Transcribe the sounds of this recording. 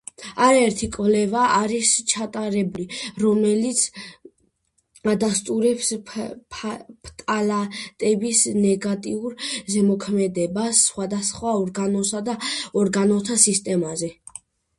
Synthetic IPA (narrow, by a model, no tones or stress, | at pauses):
aɾaɛɾt̪ʰikʼvlɛvaʔaɾist͡ʃʰat̪ʼaɾɛbuliɾɔmɛlit̪sʰ | ad̪ast̪ʼuɾɛpsʰ | pʰt̪ʼalat̪ʼɛbisnɛɡat̪ʼiuɾzɛmɔkʰmɛd̪ɛbasːχwad̪asχwaɔɾɡanɔsad̪aɔɾɡanɔt̪ʰasist̪ʼɛmazɛ